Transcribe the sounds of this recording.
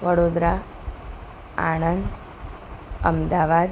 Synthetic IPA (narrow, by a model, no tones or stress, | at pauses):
ʋəɽod̪ɾa | a̰ɳ̃ənd̪ | ə̰md̪aʋad̪